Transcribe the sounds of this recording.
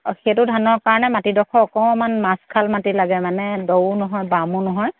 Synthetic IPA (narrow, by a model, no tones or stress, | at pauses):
xetʊdʱanɔkaɹɔnɛmatidɔkʰɔːkɔɛmanmaskʰalmatilaɡɛmanɛdownɔɦɔjbamʊnɔɦɔj